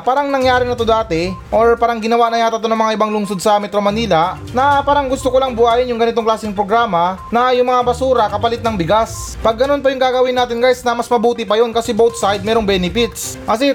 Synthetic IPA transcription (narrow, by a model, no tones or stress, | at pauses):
paːɾɐŋnɐŋjaːɾɪnɐt̪od̪aːt̪ɛʔoɹpaːɾɐŋɡɪnɐwanɐjaːt̪ɐt̪onɐŋmɐŋaʔɪbaŋlʊŋsod̪̚sɐmɛt̪ɾo̞mɐniːlɐ | nɐpaːɾɐŋɡʊst̪okolaŋbʊʔaːjɪnjʊŋɡɐnɪt̪o̞ŋklaːsɪŋpɾoɡɾaːmɐnɐjʊŋmɐŋabɐsuːɾɐkɐpɐlɪt̪̚nɐŋbɪɡas | pɐɡːɐno̞np̬ɐjʊŋɡaːɡɐwɪnːaːt̪ɪnkajsnɐmɐsmɐbuːt̪ɪpɐjo̞nkɐsɛbowt̪sajd̪̚mɛːɾoŋbɛːnɪfɪt̪sʔɐsɛ